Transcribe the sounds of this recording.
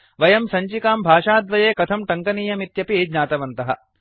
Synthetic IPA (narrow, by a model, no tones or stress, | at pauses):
ʋɐjɐmsɐɲt͡ʃikaːmbʱaːʂaːd̪ʋɐjeːkɐt̪ʰɐmʈɐŋkɐniːjɐmit̪jɐpid͡ʒɲaːt̪ɐʋɐnt̪ɐɦɐ̰̆